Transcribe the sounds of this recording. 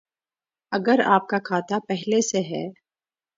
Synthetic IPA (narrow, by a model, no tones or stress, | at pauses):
ɐɡəɾa̰ːp̚kakʰaːt̪apɛɦleseɦɛː